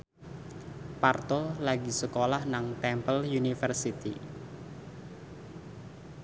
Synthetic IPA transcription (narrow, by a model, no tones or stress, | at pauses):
part̪olaɡisəkolahnaŋt̪ɛmpəljunifərsit̪i